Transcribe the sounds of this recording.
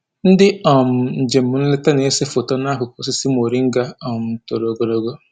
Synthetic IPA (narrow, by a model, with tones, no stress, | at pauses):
n̩˦dɪ˦ɔ˨m̩˨n̩˨d͡ʒe˨m̩˨mʊ˨˦n̩˦lɪ˦ta˦ne˨e˦se˦fʊ˨tɔ˦na˦kʊ˨kɔ˨˦s̬ɪ˦si˦m˦˨o˨ɾi˦ŋ̩˦ɡa˦ɔ˨m̩˨to˨ɾo˨ɡo˨ɾo˨ɡo˦